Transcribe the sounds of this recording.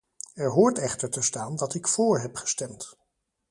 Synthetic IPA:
ɛɹɦʊːɹtɛχtəɹtəstaːndɑtɪkfoːɹɦɛpχə̥stɛmt

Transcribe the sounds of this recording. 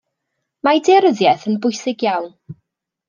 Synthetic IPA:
madɛɾəðjɛθənbʊɨsɪɡjawn

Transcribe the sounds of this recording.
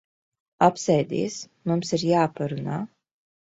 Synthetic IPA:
apsɛjd̪ḭːs | mumsiɾjaːpaɾunaː

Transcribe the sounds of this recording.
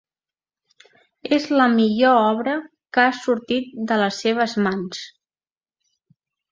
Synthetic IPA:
ezləmiʎoɔβ̞ɾə | kəasuɾt̪it̪̚d̪ələsːeβ̞əzmans

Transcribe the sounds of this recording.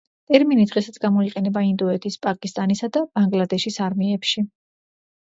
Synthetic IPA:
t̪ʼɛɾminid̪ʁɛsat̪sʰɡamɔiqʼɛnɛbaind̪ɔɛt̪ʰispʼakʼist̪ʼanisad̪ab̥aŋɡlad̪ɛʃisaɾmiɛpʃi

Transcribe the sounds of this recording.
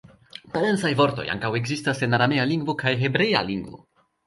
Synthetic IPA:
palent͡sajvo̞ɾt̪ojʔa̰ŋkaweɡzist̪asenaɾamejaliŋɡvokʰajɦebɾeja̰liŋɡvo̰

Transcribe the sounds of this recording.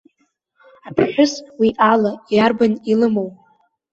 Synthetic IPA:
apʰħʷᶣʊswiʔalajarbanilɨmow

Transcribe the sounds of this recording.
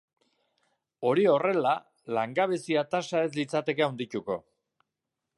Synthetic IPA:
o̞ɾio̞re̞la | laŋɡaβ̞esiat̪asae̞slit͡sat̪e̞keawnd̪ic̪uko̞̰

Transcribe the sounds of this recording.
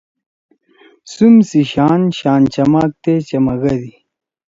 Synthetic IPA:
sumsiɕaːnɕaːnt͡ɕɐmaːk̚t̪et͡ɕɐmɐɣɐd̪i

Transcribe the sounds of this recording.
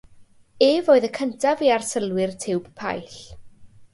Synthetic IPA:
eːvoːɨðəkʰəntʰaviarsəlˠwɪrtʰɪwb̥pʰa̰jɬ

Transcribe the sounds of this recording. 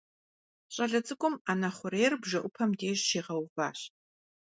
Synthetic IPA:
ɕʼɐɮɐt͡sʼɨkʷʼʊmaːnɐχʷʊɾeːrbʒɐʔʷʊpʰɐmdeːʑʃeːʁɐwva̰ːɕ

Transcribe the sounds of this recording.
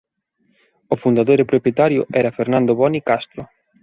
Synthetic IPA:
ofund̪aðojɾɪpɾopjet̪aɾjʊʔɛɾɐfeɾnãnd̪oβɔnikast̪ɾʊ

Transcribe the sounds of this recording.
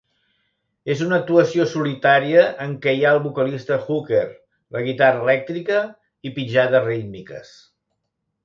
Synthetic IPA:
ezunək̚t̪uəsiosulit̪aɾiəʔːŋkɛjaəlˠβukəlist̪əxukeɾ | ləɣ̞it̪arəːlɛk̚t̪ɾikə | ipid͡ʒaðərimikə̰s

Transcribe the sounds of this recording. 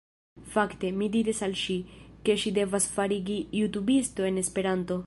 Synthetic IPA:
fakt̪e̞mid̪iɾesalʃike̞ʃid̪e̞vasfaɾiɡijut̪ubist̪o̞e̞ne̞spe̞ɾant̪o̞

